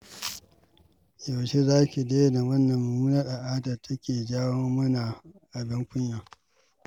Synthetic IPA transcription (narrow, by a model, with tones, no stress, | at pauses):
jo˨ʃe˦zaː˦kʲi˨da˦da˨wɐ˦nːɐ˨mːɐ˨muː˦nɐ˦rʔa˨ʔaː˦dɐ˨tʰɐ˦kʲeː˨d͡ʒaː˦wo˦mɐ˦na˨ʔa˨bɪ˦ŋkʷʊ˦ɲja˨